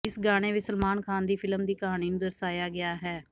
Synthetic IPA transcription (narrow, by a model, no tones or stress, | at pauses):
ɪsɡaːɽ̃eːʋɪsəlmaːnkʰaːnd̪iːpʰɪləmd̪iːkəɦaːɽ̃iːnũːd̪əɾsaːjaːɡɪaːɦɛː